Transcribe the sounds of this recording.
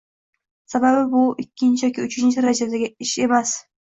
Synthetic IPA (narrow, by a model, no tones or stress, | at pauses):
sababɪbʊɪkʲʰːɪnt͡ʃʰɪjɒkʲɪʊt͡ʃʰɪnt͡ʃʰɪɾad͡ʒad̪aɡʲɪɪʃe̞mas